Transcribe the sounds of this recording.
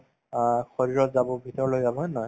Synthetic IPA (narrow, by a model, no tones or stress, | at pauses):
axɔɹiɹɔt̪zabɔbʱit̪ɔɹlojzabɔnɔj